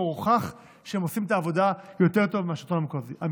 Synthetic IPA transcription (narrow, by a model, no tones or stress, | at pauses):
ʁχaχ | ʃeemosimet̪aːvo̞d̪ajo̞t̪e̞ʁt̪o̞vmeaʃit̪onamekoziʔam